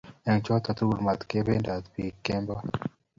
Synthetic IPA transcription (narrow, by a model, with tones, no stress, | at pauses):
ɛ˨ŋt͡ʃɔ˦t̪a˨t̪u˦ɾma˨t̪ke˦be˦nda˨t̪pi˨kːe˦mba˦